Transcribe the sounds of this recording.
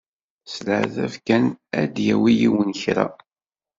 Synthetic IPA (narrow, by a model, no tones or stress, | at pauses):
slʕðæfkænæd̪jæwijiwənçɾa̰